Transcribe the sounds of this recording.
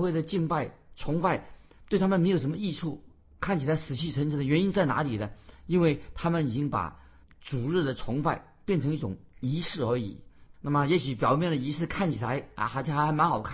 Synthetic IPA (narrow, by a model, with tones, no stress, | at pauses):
xwe˥˩ɪd̪ə˩t͡ɕi˥˧ŋpa˥˩ɪt͡sʰʊ˧˥ŋpa˥˩ɪ | t̪we˥˩ɪt̪ʰa˥mə˨nme˧˥ɪo˨˩ʊʂ̬ə˧˥mə˧i˥˧ʈ͡ʂʰu˥˩ | kʰa˥˩nt͡ɕʰi˨˩la˧˥ɪʂɹ̩˨˩t͡ɕʰi˥˩ʈ͡ʂʰə˧˥nʂ̩ʰ˧˥d̪ə˧˩ɥɛ˧˥ni˥nt͡sa˥˩ɪna̰˧˥li˨˩d̪ə˦i˥nwe˥˩ɪt̪ʰa˥mə˨ni˨˩t͡ɕi˥ŋpa̰˨˩ | t͡su˨˩ɻ̩˥˩d̪ə˩t͡sʰʊ˧˥ŋpa˥˧ɪ | pjɛ˥˩nʈ͡ʂʰɤ˧˥ŋi˥˩ʈ͡ʂʊ˨˩ŋi˧˥ʂɻ̩˥˩ə˞˧˥ḭ˨˩na˥˩mə˩jɛ˧˥ɕy˧˥pjɑ˨˩ʊmjɛ˥˩nlə˩i˧˥ʂɻ̩˥˧kʰa˥˩nt͡ɕʰi˨˩la˧˥ɪ̰˧˩xa˧˥t͡ɕʰxa˧˥xa˧˥ɪma˧˥nxɑ˨˩ʊkʰa˥˩